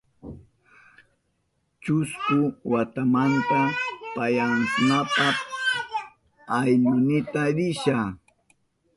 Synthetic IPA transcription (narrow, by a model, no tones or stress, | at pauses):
t͡ʃʊskʊwat̪amant̪apajaŋkʊnapa | ajnʊnɪt̪aɾɪʃa